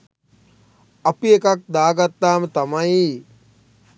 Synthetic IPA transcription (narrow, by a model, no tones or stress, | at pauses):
ɐpiekak̚d̪aːɡat̪ːaːmət̪amai